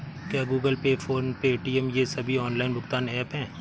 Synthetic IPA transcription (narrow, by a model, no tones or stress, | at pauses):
kjaːɡuːɡəlpeːfʰoːnpeeːʈiːɛmjesɐbʱiɔːnlaːɪnbʊkt̪aːnɛːpɦɛ̃ː